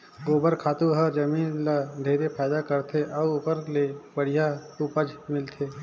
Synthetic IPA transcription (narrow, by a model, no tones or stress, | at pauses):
ɡoːbəɾkʰaːt̪uɦəd͡ʒəmiːnləd̪ʱeːɾepʰaːjd̪akəɾt̪ʰeʔɔːʊpəɾlebəɽ̤ijaupəd͡ʒmɪlt̪ʰeː